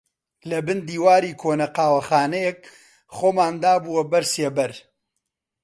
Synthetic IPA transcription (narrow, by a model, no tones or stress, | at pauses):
lɐbɨnd̪iːwaːɾiːkʰoːnɐqaːwɐχaːnɛjek | χoːmaːnd̪aːbuwɐbɐɾsebɐɾ